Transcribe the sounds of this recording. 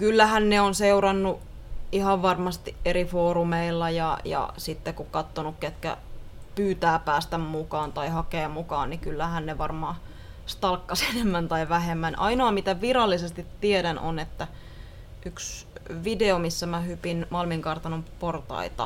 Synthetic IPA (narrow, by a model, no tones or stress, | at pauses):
kylːæhænneonseuɾɑnːu | ihɑʋʋɑrmɑst̪iʔʔeɾifoːɾumeilːɑjɑ̰jɑ̰sit̪ːekukɑt̪ːonukket̪kæ̰pyːt̪æːpæːst̪æmmukɑːnt̪ɑihɑkeːmukɑːnnikylːæhænneʋɑrmɑː | st̪ɑlkːɑsenemːænt̪ɑiʋæɦemːænʔɑinoɑmit̪æʋiɾɑlːisest̪it̪ːieɾæno̰net̪ːæ | ʔyksʋideomisːæmæhypinmɑlmiŋkɑrt̪ɑnomport̪ɑ̰it̪ɑ̰